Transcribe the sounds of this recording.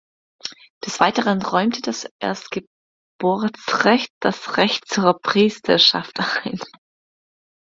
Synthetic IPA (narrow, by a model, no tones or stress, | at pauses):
d̥ɛsv̥aɪtəʁənʁɔʏmtʰəd̥asʔḛːɐstɡ̥ə | b̥ʊɐt͡sʁɛçt̚d̥asʁɛçtt͡suːɐpʁ̥iːstʰɐʃa̰ftʔaɪn